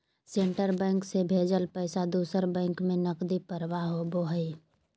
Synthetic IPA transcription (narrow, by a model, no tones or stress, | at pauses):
sẽɳʈəɾbɛ̃ːŋksebʱeːd͡ʒəlpɛːsad̪uːsəɾbɛ̃ːŋkmẽnəqd̪ipəɾʋaɦoboɦəi